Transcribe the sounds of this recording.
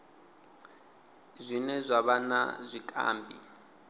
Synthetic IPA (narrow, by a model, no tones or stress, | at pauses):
zʷinɛzʷaβana̰zʷikʼa̰ːmbʱḭ